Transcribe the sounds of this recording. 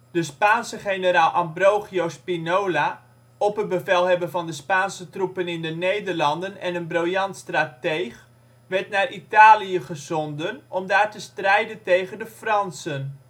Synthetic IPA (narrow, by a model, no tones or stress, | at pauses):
d̥əspaːnsəχenəraːlˠʔɑmbrowχiowspinoːla | ɔpɦət̚bəvɛlˠɦɛbəvɑndəspaːnsətrupənɪndənejdərlɑndənɛ̰nənbrowjɑntstratejχ | ʋɛɹtnarʔitaːliəχəzɔndənɔmdaːrtəstrɛjdəntejχəndəfrɑnsən